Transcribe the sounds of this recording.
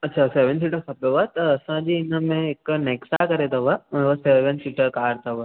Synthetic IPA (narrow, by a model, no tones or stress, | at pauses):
ɐtːɕʰaseːʋənsiʈəɾkʰɐpjoʋat̪ɐːsãd͡ʑiːɪnəmẽɪkneːksakɐɾet̪ʰɐʋə̃ʋəseːʋənsiːʈəɾkaːɾt̪ʰɐʋə